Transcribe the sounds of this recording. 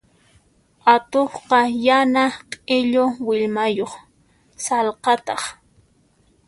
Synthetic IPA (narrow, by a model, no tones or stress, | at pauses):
at̪oχqɑjanaqʼɪʎowɪʎmajoχ | sɑlqɑt̪ɑχ